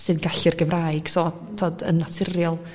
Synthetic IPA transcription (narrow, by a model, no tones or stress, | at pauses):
sɨnnɡaɬirɡəvraːjɡ̥sɔ | tʰoːdə̰nːatʰɪrjɔlˠ